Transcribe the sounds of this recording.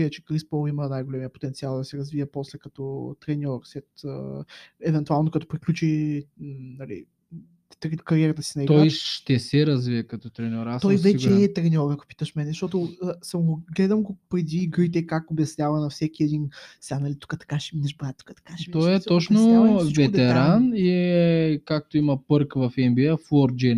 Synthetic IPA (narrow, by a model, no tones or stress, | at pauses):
iət͡ʃɛ̥kɾispɔlˠimənajɡolɛmiəpo̥t̪ɛnt̪sialˠd̪ɐsɛɾɐzviəpɔslɛkɐt̪ɔt̪ɾɛnʲɔɾsɛt̪ə̰ɛvɛnt̪ualˠnokɐt̪ɔ̥pɾiklʲut͡ʃi | nɐlḭ | ɾkɐɾiɛɾət̪əsinɐiɡ̪ɔajʃt̪ɛsɛɾɐzviəkɐt̪ɔt̪ɾɛnʲɔɾasɔjvɛt͡ʃɛt̪ɾɛnʲɔɾəɡo̥pi̥t̪əʃmɛnɛʃt̪ɔt̪ʊsamɡoɡlɛd̪əmɡopɾɛd̪iːɡɾəjt̪̬ɛkakobjɐsnʲavɐnɐfsɛkiɛd̪insanɐlit̪u̥kət̪ɐ̥kaʃɛminɛʃbɾat̪t̪ːu̥kə̥t̪ɐ̥kaʃɛmit̪ɔjɛt̪ɔt͡ʃnoit͡ʃvɛt̪ɛɾaniɛkak̚t̪oimɐpɤɾkvɐfɛmbiəfɔɾd͡ʒɛ